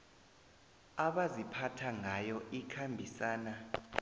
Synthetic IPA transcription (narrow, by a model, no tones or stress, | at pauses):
aɓazipʰatʰaŋʱajɔikʰambʱisaːna